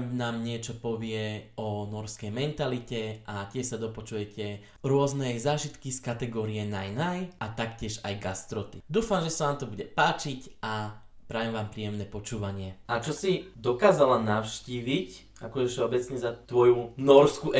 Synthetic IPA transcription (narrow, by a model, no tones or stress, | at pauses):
naːmɲɪɛt͡ʃɔpɔʋɪɛɔnɔɾskɛjmɛnt̪alicɛʔacɪɛʃsad̪ɔpɔt͡ʃujɛcʰɛ | ɾʊɔznɛjzaːʒit̪kiskat̪ɛɡɔːɾijɛnajnajʔat̪akcɪɛʒa̰jɡast̪ɾɔt̪id̪uːfamʒɛsaʋaːmt̪ɔbuɟɛpaːt͡ʃica | pɾaːjɛmʋaːmpɾiːjɛmnɛpɔt͡ʃuːʋaɲɪɛʔat͡ʃɔsid̪ɔkaːzalanaʊʃciːʋic | akɔʒɛfʃɛɔbɛt͡sɲɛzat̪ʋɔjunɔɾskuʔɛ